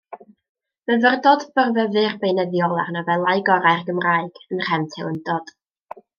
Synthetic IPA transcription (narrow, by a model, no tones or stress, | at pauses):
məvərdɔdb̥ərvəvɨrbejnəðjɔlˠarnɔvɛlˠaɨɡɔɾaɨrɡəmraːɨɡ̥ənr̥ɛvtʰɪlˠəndɔd̥